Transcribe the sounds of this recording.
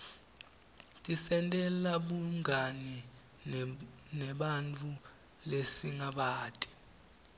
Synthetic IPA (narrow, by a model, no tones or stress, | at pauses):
tʼisɛntʼɛlaɓuŋani | nɛɓant͡fʰʼu | lesiŋaɓaːtʼi̥